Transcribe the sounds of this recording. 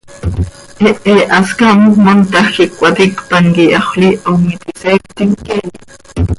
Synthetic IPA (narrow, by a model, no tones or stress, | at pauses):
eʔeʔaskamumont̪akikʷat̪ikpaŋkiaχʷliʔomit̪isek̚t̪iŋkeli